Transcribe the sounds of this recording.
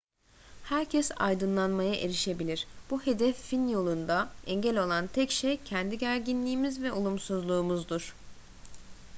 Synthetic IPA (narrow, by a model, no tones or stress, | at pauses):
hæɾcʰɛsa̰jd̪ɯnlˠanmajaʔe̞ɾiʃe̞bilʲiɾ̥b̥uhe̞d̪ɛfːinjo̞lˠund̪aɛɲɟælʲo̞lˠant̪ʰɛcʃejcʰɛnd̪iɟæɾɟinlʲiːmizvɛʔo̞lˠumsuzlˠuːmuzd̪uɾ̥